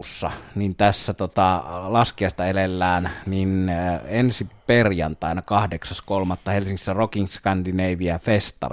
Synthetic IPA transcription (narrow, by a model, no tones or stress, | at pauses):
sːɑ̰nint̪æsːæt̪ot̪ɑlɑskiɑˑst̪ɑelelːæːnninensiperjɑ̰nt̪ɑˑenɑkɑhdeksɑskolmɑt̪ːɑhelsiŋksːærokiŋskændineiʋiæfest̪ɑ̰r